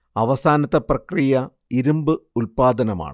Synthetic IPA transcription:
ɐʋɐsaːnɐt̪ːɐprɐkrijɐ | iɾumbɨulpaːd̪ɐnɐma̰ːɳ

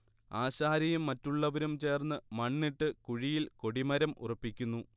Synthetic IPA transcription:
aːɕaːɾɐjumːɐtːuɭːɐʋɐɾumt͡ɕe̞ːrnːɨmɐɳːiʈːɨkuɻijilko̞ɽimɐɾɐmʔṵrɐpːikʲːunːu

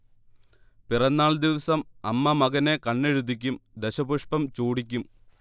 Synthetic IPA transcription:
pirɐnːaːɭd̪iʋɐsɐmɐmːɐmɐɡɐne̞kɐɳːeɻud̪ʱik̬ʲːumd̪eɕɐbuʂpɐmt͡ɕuːɽik̬ʲːum

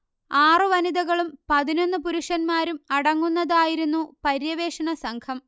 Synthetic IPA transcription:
aːrɨʋɐniðɐɣɐɭumpɐðino̞nːɨpuɾuʂɐnmaːɾumɐɽɐŋːunːɐðaːjiɾunːupɐɾjɐʋe̞ːʂɐɳɐsɐŋkʰɐm

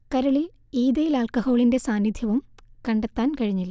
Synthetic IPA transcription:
kɐɾɐɭil | iːðɐjilaːlkɐho̞ːɭinde̞saːnːid̪ʱjɐʋumkɐɳɖet̪ːaːnkɐɻiɲːilːɐ

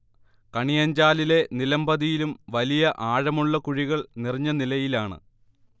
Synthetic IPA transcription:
kɐɳijɐɲd͡ʑaːlile̞nilɐmbɐðijilumʋɐlijɐʔaːɻɐmuɭːɐkuɻiɣɐɭniriɲːɐnilɐjilaːɳɨ̰

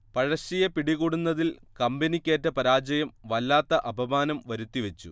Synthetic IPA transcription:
pɐɻɐɕijɐpiɽiɣuɽunːɐðilkɐmbɐnikʲːeːtːɐpɐɾaːd͡ʑɐjɐmʋɐlːaːt̪ːɐʔɐbʱɐmaːnɐmʋɐɾut̪ːiʋet͡ɕːu

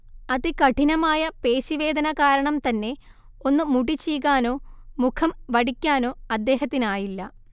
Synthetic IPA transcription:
ɐðikɐʈinɐmaːjɐpe̞ːɕiʋe̞ːd̪ɐnɐkaːɾɐɳɐmt̪ɐnːe̞ | o̞nːɨmuɽit͡ɕːijɣaːno̞ːmukʰɐmʋɐɽikʲːaːno̞ːɐd̪ːe̞ːɦɐt̪ːinaːjilːɐ

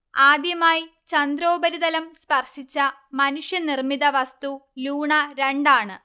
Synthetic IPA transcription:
aːd̪jɐmaːjit͡ɕɐnd̪ɾo̞ːbɐɾiðɐlɐmspɐrʂit͡ɕːɐmɐnuʂjɐnirmiðɐʋɐst̪uluːɳɐɾeɳɖaːɳɨ

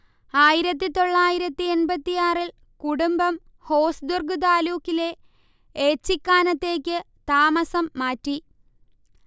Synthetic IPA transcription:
aːjiɾɐt̪̬ːit̪o̞ɭːaːjiɾɐt̪ːienbɐt̪ːijaːril | kuɽumbɐm | ho̞ːsd̪urɡud̪̬aːluːkːile̞ | eːt͡ɕːikːaːnɐt̪ːe̞ːkʲːɨ | t̪aːmɐsɐmːaːtːi

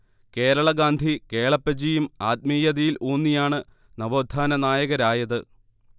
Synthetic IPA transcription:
ke̞ːɾɐɭɐɡaːnd̪ʱikeːɭɐpːɐd͡ʑijumaːt̪̚miːjɐðijiloːnːijaːɳɨ | nɐʋoːd̪ʱːaːnɐnaːjɐɣɐɾaːjɐðɨ

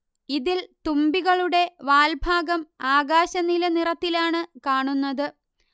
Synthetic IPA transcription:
iðilt̪umbiɣɐɭuɽe̞ʋaːlbʱaːɡɐmaːɡaːɕɐnilɐnirɐt̪ːilaːɳɨkaːɳunːɐðɨ

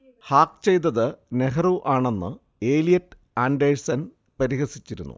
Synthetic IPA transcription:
haːkt͡ɕe̞jt̪ːɐðɨne̞ɦɐruʔaːɳe̞nːɨ̰ | e̞ːlijɐtːɨ | aːnɖejɻsɐn | pɐɾihɐsit͡ɕːiɾunːṵ

